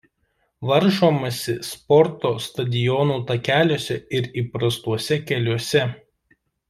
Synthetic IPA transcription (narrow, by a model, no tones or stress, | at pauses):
ʋɐɾʒoːmɐsʲɪspɔɾt̪oːst̪ɐd̪ʲɪjɔnuːt̪ɐkʲæːlʲoːsʲɛɪɾiːpɾɐst̪uɔsʲɛkʲɛlʲuɔsʲɛ